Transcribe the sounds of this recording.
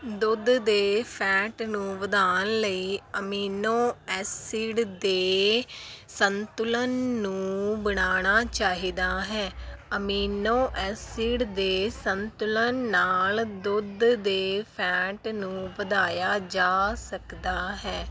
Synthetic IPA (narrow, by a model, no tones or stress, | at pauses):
d̪ʊd̪d̪eːpʰɛːʈnũːʋəd̪aːənləiːəmiːnoːɛːsiːɖd̪eː | sənt̪ʊlənːũːbəɽ̃aːɽ̃aːt͡ʃaːɦiːd̪aːɦɛːəmiːnõːʔɛːsiːɖd̪eːsənt̪ʊlənːaːld̪ʊd̪d̪eːpʰɛːʈnũːʋəd̪aːjaːd͡ʒaːsəkd̪aːɦɛː